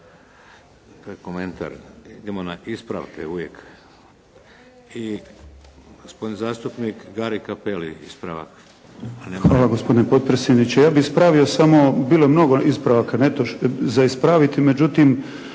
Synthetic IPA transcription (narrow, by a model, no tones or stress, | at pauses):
t̪ojekoment̪a̰ɾid̪emonaʔispɾa̰ʋkeuʋjek | i | ɡospod̪nizaːst̪upnikɡaɾikapelḭispɾa̰ʋa̰k | anxʋaːlaɡospo̞d̪inepo̞t̪̚pɾesjed̪nit͡ɕejaːbiispɾaʋio̞samo̞biːlojemno̞ɡo̞ʔispɾaʋakanet̪oʃzaispɾaʋit̪ime̞d͡ʑut̪im